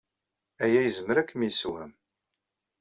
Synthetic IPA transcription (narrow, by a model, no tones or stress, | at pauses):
æjæjəzəməɾækːmiswæ̰m